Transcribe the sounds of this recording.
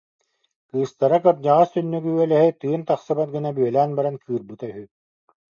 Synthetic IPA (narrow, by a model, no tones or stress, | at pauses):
kɯːst̪aɾakɯɾd͡ʑaʁast̪ynːyɡyœlɛɦit̪ɯːnt̪aχsɯbat̪̚ɡɯnabyœlæːnbaɾankɯːɾbɯt̪aɦy